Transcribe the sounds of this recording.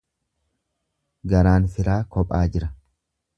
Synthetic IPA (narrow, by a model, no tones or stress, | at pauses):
ɡɐɾaːnfɪɾaːkɔpʼaːd͡ʒɪɾɐ